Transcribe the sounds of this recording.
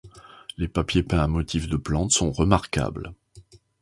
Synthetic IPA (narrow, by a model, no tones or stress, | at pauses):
lepapjepɛ̃amɔt̪ʰifd̪əplɑ̃t̪sɔ̃ʁəmaʁka̰bl